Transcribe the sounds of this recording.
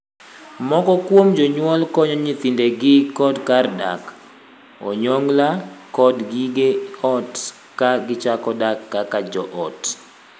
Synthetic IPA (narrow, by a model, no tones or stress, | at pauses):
mɔkɔkwomd͡ʒɔɲwɔlkɔɲɔɲit̪indeɡɪkɔdkarda̰k | ɔ̰ɲoŋɡlakɔdɡiɡeɔt | kaɡɪt͡ʃakɔdakːakad͡ʒɔʔɔt